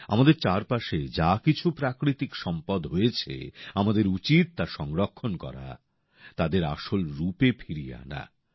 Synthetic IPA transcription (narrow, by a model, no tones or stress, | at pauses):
amad̪eɾt͡ɕaɾpaʃed͡ʑakit͡ɕʰupɾakɾit̪ikʃɔmpad̪ɦojet͡ɕʰḛamad̪eɾut͡ɕit̪̚ːaʃɔŋɾokʰːonkɔ̰ɾa̰ | t̪ad̪eɾa̰ʃolɾupepʰiɾija̰na̰